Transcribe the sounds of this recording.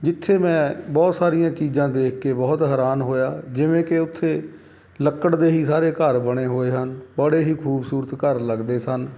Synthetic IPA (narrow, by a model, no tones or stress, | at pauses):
d͡ʒɪt̪ʰːeːmɛ̃ːbɔːt̪saːɾɪjãːt͡ʃiːzãːd̪eːkʰkeːbɔːt̪ɦəːɾaːnɦoːjaːd͡ʒɪʋẽːkɪʊt̪ʰːeː | ləkːəɽd̪eːɦiːsaːɾeːkəɾbəɽ̃eːɦoːeːɦənbəɽeːɦiːkʰuːbsuːɾət̪kəɾləɡd̪eːsən